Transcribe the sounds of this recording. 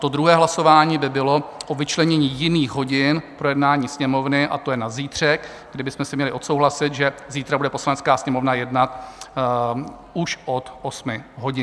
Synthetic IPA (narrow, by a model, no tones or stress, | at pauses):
t̪od̪ɾuɦɛːɦlaso̞vaːɲiːbɪbɪlo̞ʔo̞vɪt͡ʃlɛɲɛɲiːjɪniːxɦo̞ɟɪnpɾo̞jɛdnaːɲiːsɲɛmo̞vnɪʔa̰t̪o̞jɛnaziːt̪r̝̥ɛk | ɡdɪbɪsmɛsɪmɲɛlɪʔo̞t̪so̞wɦlasɪt̪ʒɛziːt̪ɾabudɛpo̞slanɛt͡skaːsɲɛmo̞vnajɛdnat̪ | uʃʔo̞t̪ʔosmɪɦo̞ɟɪ